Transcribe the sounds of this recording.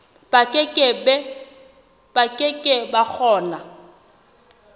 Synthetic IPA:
b̥akʼɪkʼɪbɛ | b̥akʼɪkʼɪbak͡xʰɔːna

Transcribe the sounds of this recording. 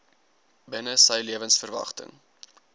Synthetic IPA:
bənəsəjliəvənsfərvɐ̰χtə̰ŋ

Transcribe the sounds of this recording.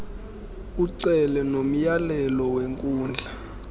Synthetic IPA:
uǀɛlɛnom̩jalɛlɔweŋkʼuːnd͡ɮʱa

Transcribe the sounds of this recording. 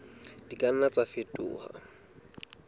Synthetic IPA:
d̥ikʼan̩nat͡sʼafetʼʊ̰ːha̰

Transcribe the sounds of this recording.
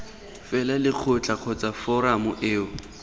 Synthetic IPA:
fɛlalɪq͡χʰʊt͡ɬʼaq͡χʰɔt͡safɔɾamʊʔeːʊ

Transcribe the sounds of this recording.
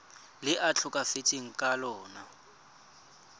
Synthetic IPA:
lɪʔat͡ɬʰʊkʼafɪt͡sʼiŋ̩kʼalɔːna

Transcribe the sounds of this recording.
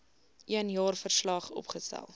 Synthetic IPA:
ʔiənjɑːrfərslɑχɔ̰pχəstæ̰lˠ

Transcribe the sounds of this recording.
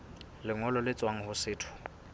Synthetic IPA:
lɪŋɔlɔlɪt͡sʼwaŋ̩hʊsɪːtʰʊ̥

